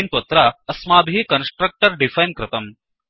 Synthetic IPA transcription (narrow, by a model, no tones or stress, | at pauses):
nt̪wɐt̪ɾaɐsmaːbʱikɐnsʈɾɐk̚ʈɐɾɖifɐjnkɾɪt̪ɐm